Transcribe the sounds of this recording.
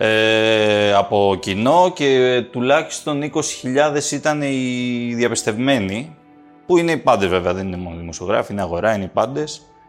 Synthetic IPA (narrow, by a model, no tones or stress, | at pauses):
e | ɐpo̞cino̞ce̞t̪ulɐçi̥st̪o̞niko̞si̥çiʎɐðe̞sit̪ɐne̞iðjɐpist̪e̞vme̞ni | puine̞ipɐnd̪e̞zve̞veɐðe̞ninemo̞noðimo̞sioɣɾɐ̰fiineɐɣo̞ɾɐineipɐnd̪e̞s